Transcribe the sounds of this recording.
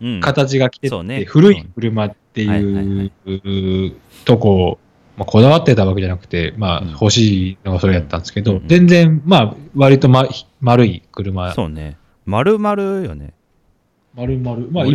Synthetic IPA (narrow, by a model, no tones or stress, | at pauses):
kat̪at͡ɕiɡakʲi̥t̪e̞e̞ɸɯ̟ɾɯ̟ikɯ̟ɾɯ̟mat̪ːe̞jɯ̟ː | t̪o̞ko̞ | makʰo̞d̪aβat̪ːe̞t̪aβake̞ʑanakɯ̟̥t̪e̞maho̞ɕiːno̞ɡaso̞ɾe̞jat̪ːãnd̪esɨ̥ke̞d̪o̞zẽ̞nd͡zẽɴmaβaɾʲit̪o̞mḁ | maɾɯ̟ikɯ̟ɾɯ̟masonḛ | maɾɯmaɾɯjonḛ | maɾɯ̟maɾɯ̟mai